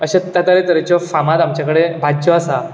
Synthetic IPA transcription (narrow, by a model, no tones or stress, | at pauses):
əɕat̪jat̪əɾet̪əɾet͡ɕjɔfamat̪amt͡ɕjakəɽebʱadd͡ʑɔasa